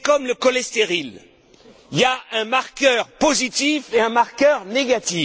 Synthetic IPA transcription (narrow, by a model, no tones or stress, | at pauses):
kɔmləkɔlɛst̪eʁil | iaɛ̃maʁkʲœːʁpozit̪ifeɛ̃maʁkœʁneɡat̪i